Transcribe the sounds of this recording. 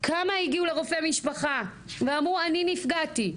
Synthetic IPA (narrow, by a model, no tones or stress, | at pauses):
kʰamaiɡiule̞ʁofeamiʃpaχa | veamʁuaninifɡati